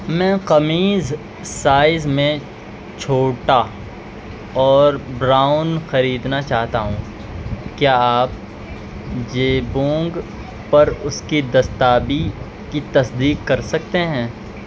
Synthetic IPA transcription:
mɛ̃ːqɐmiːz | saːɪzmẽ | t͡ʃʰoːʈa | ɔːɾbɾaːʊnxɐɾiːd̪nat͡ʃaːɦt̪aɦũː | kjaːaːp | d͡ʒeːbõːŋɡ | pɐɾʊskid̪ɐst̪aːbi | kit̪ɐsd̪iːqːɐɾsɐk̚t̪eɦɛ̃ː

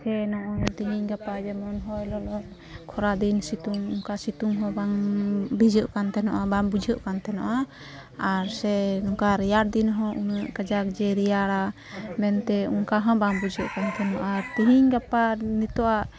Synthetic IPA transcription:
sɛnɔʔɔnt̪iɦiɲɡapad͡ʒɛmɔnɦɔjlɔlɔt̚ | kʰɔɾad̪insit̪uŋuŋkasit̪uŋɦɔ̃baŋbid͡ʒəʔkant̪ɛnɔʔabaŋbud͡ʒʱəʔkant̪ɛnɔʔa | aɾsɛnuŋkaɾijaɾd̪inɦɔ̃ʔunəʔkəd͡ʒak̚d͡ʒɛɾijaɽa | mɛnt̪ɛuŋkaɦɔ̃baŋbud͡ʒʱəʔkant̪ʰɛnɔʔaɾt̪iɦiɲɡapanit̪ɔʔaʔ

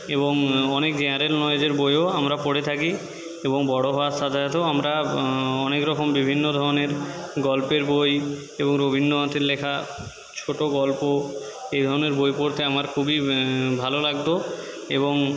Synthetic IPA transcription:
eboŋɔnekd͡ʑeaɾelnɔjd͡ʑeɾbojoamɾapoɽet̪ʰaki | eboŋbɔɽoɦɔasad̪ʱaat̪oamɾaɔnekɾɔkombibʱinːod̪ʱɔɾoneɾɡɔlpeɾboj | eboŋɾobʱinːoɦãt̪ʰeɾlekʰa | t͡ɕʰoʈoɡɔlpo | ejd̪ʱɔɾoneɾbojpoɾt̪ʰeamaɾkʰubibʱalolaɡ̚t̪o | eboŋ

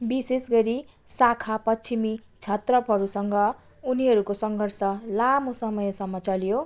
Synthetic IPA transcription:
bisesɡʌɾi | sakʰapʌt͡sʰimit͡sʰʌt̪rʌpɦʌɾusʌŋɡʌ | uniɦʌɾukosʌŋɡʱʌrsʌlamosʌmʌjsʌmːʌt͡sʌljo

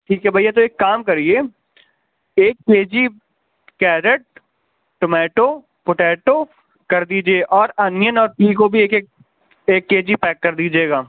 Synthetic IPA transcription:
ʈʰiːkɦɛbʱɐijet̪oeːkːaːmkɐɾieː | eːk̚peːd͡ʒi | kɛːɾəʈ̚ | ʈomɛːʈoː | poʈɛːʈo | kɐɾd̪iːd͡ʒieʔɔːɾɐnɪjənɔːɾpliːkobʱieːke | eːkːeːd͡ʒipɛːkːɐɾd̪iːd͡ʒeːɡaː

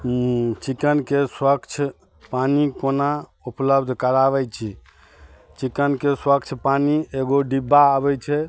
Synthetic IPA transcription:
t͡ʃikənkeswəkt͡ʃʰ | panikonaupləbd̪ʱkəɾaβɛt͡ʃʰi | t͡ʃikənkeswəkt͡ʃʰpanieɡoɖibːaəbɛt͡ʃʰɛ

